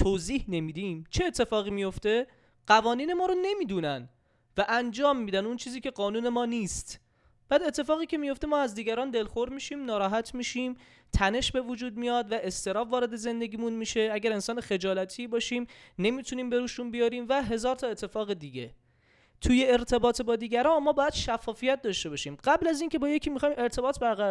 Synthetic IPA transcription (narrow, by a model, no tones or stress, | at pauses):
t̪ʰoziːhne̞miːd̪imt͡ʃʰe̞ːt̪ʰːe̞fɒːɣiːmijo̞ft̪e̞ | ɢ̥ævɒːniːne̞mɒːɾone̞miːd̪uːnæn | væʔænd͡ʒɒːmːiːd̪ænunt͡ʃʰiːziːcʲe̞ɢɒːnuːne̞mɒːnist̪ | b̥æːd̪e̞t̪ʰːe̞fɒːɣiːcʰemijo̞ft̪emɒːæzd̪iːɟæɾɒːnd̪e̞lxoɾmiːʃiːmnɒːɾɒːɦæt̪ʰmiːʃiːm | t̪ʰæne̞ʃbe̞vod͡ʒuːd̪̚mijɒd̪væʔe̞st̪e̞ɾɒːfvɒːɾe̞d̪e̞ze̞nd̪e̞ɡʲiːmunmiːʃe̞æɟæɾe̞nsɒːnexe̞d͡ʒɒːlæt̪ʰibɒːʃiːmne̞mit̪ʰuniːmbe̞ɾuːʃunbijɒːɾiːmvæɦe̞zɒːɾt̪ʰɒːe̞t̪ʰːe̞fɒːɣe̞d̪iːɟe̞ | t̪ʰuje̞ːɾt̪ʰe̞bɒːt̪ʰebɒːd̪iːɟæɾɒːmɒːbɒːjæd̪̥ʃæfːɒːfijæt̪̚d̪ɒʃt̪e̞bɒʃiːmɢæblæziːnce̞bɒːjecʰiːmixɒːjme̞ɾt̪ʰe̞bɒːt̪ʰbæɾɣæ